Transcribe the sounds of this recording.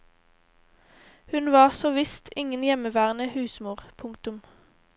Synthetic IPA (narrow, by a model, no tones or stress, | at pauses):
hʉnʋɑːʁsoːʋɪst̪ʰɪŋənjɛməʋæːʁənəhʉːsmuːʁpʰʊŋkt̪ʊm